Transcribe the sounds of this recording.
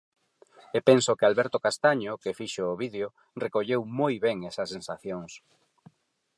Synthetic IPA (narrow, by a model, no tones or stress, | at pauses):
epensokɪalβɛɾt̪okast̪aɲokefiʃoːβiðeo | rekoʎewmojβɛŋɛsɐsensaθjoŋs